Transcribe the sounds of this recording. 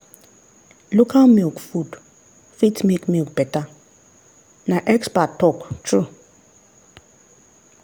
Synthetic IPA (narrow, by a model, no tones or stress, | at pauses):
lukʰamilkfud | fitmikmik̚b̥ɛta | naʔɛkspatːɔktʰɾu